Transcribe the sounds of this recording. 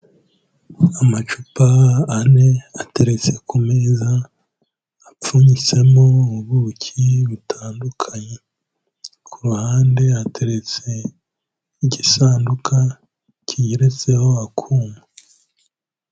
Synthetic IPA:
amat͡ʃupaːne̞ate̞ɾet͡se̞kume̞ːzaː | p͡fuɲit͡se̞mo̞uβucʰiβutʰaːndukʰaɲe̞ | kʰuɾuhaːnde̞atʰe̞ɾet͡se̞ | iɟisaːndukʰa | cʰijiɾet͡se̞ho̞akʰuːma

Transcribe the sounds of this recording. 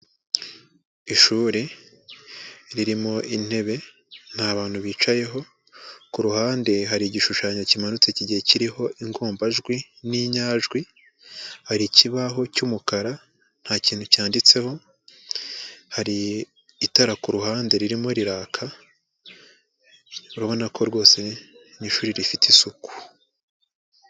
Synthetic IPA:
iʃuːɾe | ɾiɾimo̞ʔin̥e̞βe̞ | n̥haβaːn̥huβiːt͡ʃaje̞ɦo̞ | kuɾuhaːnde̞ɦaɾiɟiʃuʃaːɲocimanut͡seciɟihe̞ciɾiɦo̞ʔiŋɡuːmbaʒɡwi | niɲaːʒɡwi | haɾiciβaɦo̞cumukaɾa | n̥haːciːn̥hucaːndit͡se̞ho̞ | haɾiː | taɾakuɾuhaːnde̞ɾiɾimoɾiɾaːkʰa | uɾaβo̞nakʰo̞ɾɡo̞ːse̞niʃuɾiɾifitisuku̥

